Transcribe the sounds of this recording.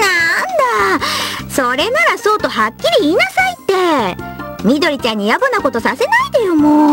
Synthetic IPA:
nand̪a | so̞ɾe̞naɾaso̞ːt̪o̞ɦakʲːiɾʲiiːnasait̪ːe̞ | mʲid̪o̞ɾʲit͡ɕãɲ̟ːijabɯnako̞t̪o̞sase̞naid̪ejomo

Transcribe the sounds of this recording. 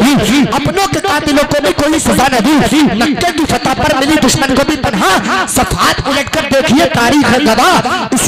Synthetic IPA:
iɐpnokekaːt̪iloːkobʱikoːisɐzanɐɦinɐkːekifɐt̪apɐɾmɪlid̪ʊʃmənkobʱipɐnɦasɐfʰaːt̪ɪleʈkɐɾd̪eːkʰiet̪aːɾiːkɛ̃ɡ̪ʱɐʋaːɪs

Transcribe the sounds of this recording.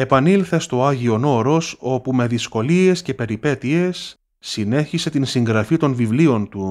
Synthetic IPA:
epɐnilθe̞st̪o̞ɐʝio̞no̞ɾo̞so̞pume̞ðisko̞lie̞sce̞pe̞ɾipe̞t̪iesː | ine̞çise̞t̪insiŋɡɾɐfit̪o̞nvivlio̞nt̪u

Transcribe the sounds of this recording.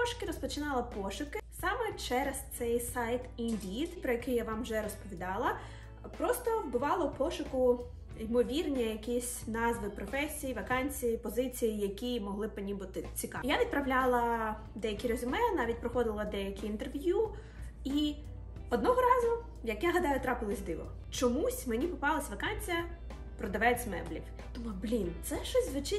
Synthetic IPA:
ɔʃʊ̥kɪɾɔspɔt͡ʃɪnɑlˠɐpɔʃʊkɪsɑmɛt͡ʃɛɾest̪sɛjsɑjt̪indʲit̪pɾɔjɐkɪjaʋɑmʒɛɾɔspɔʋʲid̪ɑlˠɐ | pɾɔst̪ɔwbʊʋɑlˠɔpɔʃʊkʊ | imɔʋʲirnʲijɐkʲisʲnɑzʋɪpɾɔfɛsʲijiʋɐkɑnʲt͡sʲijipɔzɪt͡sʲijijɐkʲimɔɦlˠɪpɪnʲibut̪ɪt͡sʲikɑjaʋʲid̪̚pɾɐʋlʲalˠɐ | d̪ɛjɐkʲiɾɔzʲʊmɛnɑʋʲitʲpɾɔxɔd̪ɪlˠɐd̪ɛjɐkʲiint̪erʋʲju | i | ɔd̪nɔɦɔɾɑzʊ | jɐkjaɦɐd̪ɑjʊt̪ɾɑpɪlˠɪzʲd̪ɪʋɔ̰ | t͡ʃɔmusʲmenʲipɔpɑlˠɐsʲʋɐkɑnʲt͡sʲijɐ | pɾɔd̪ɐʋɛt͡sʲmɛ̰blʲḭw | d̪ɔmublʲint̪sɛʃɔsʲzʋɪt͡ʃɪ

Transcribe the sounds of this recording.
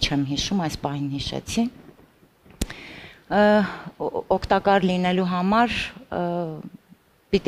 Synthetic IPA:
t͡ʃʰɛmɦiʃumɑjspɑhinhiʃɛ̰t͡sʰi | ɔkʰt̪ɑkɑɾlinɛluɦɑmɑɾ | pit̪

